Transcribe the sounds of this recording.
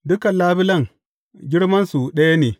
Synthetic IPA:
dʊ˦kɐ˨nlaː˦bɪ˦lɐ˦˨ŋ | ɡʲɪ˦ɽmɐ˦nsu˨ɗɐ˦ja˦neː˨

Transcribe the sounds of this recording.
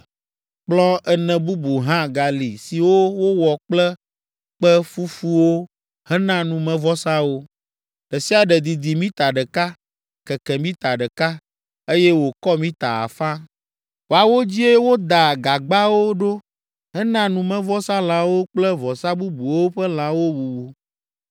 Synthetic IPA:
k͡plɔ̃˦ʔɛ˦nɛ̃˨bu˦bu˨ɦã˦ɡa˨li˨si˨wo˦wo˦wɔ˨k͡plɛ˦ | k͡pɛ˦fu˦fu˦wo˦ | hɛ˦nã˦nũ˨mɛ̃˨vɔ˦sã˦wo˦ | ɖ̥ɛ˨si˦a˨ɖɛ˨d̪i˨d̪i˨mĩ˦t̪a˨ɖɛ˨ka˦ | kɛ˨kɛ˨mĩ˦t̪a˨ɖɛ˨ka˦ | e˦jɛ˦wo˨kɔ˦mĩ˦t̪a̰˨a̰˨fã˦ | wo˨a˨wo˦d͡ʑi˦e˦wo˦d̪a˨ɡa˨ɡ͡ba˦wo˦ɖo˦ | ɦɛ˦nã˦nũ˨mɛ̃˨vɔ˦sã˦l̃ã˦wo˦k͡plɛ˦vɔ˨sa˦bu˦bu˨wo˦ɸɛ˦l̃ã˨wo˦bu˨bu˨

